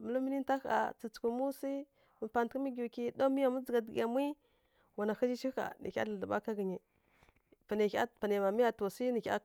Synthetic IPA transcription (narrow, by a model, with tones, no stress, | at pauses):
mə˦lu˦mi˦ni˦n˦ta˦xa̰˨t͡si˨t͡su̥˨ku˨mu˦si˦ | mə˨pa˨n˨tkə˦mi˦ɡki˦do˦mi˦ja˨mu˦d͡zə˨ɡa˨dɡa˨mʷ˦i˦ | wa˨na˨xa˦d͡ʒi˦ʃi˦ka̰˨nḭ˨kʲa̰˦ɬa˨ə˨ba̰˦ka˦ɡə˨ɲi˨ | pa˨ne˨kʲa˦pa˨n˨e˨ma˨mi˦ja˨to˨si˦ni˨kʲa̰˦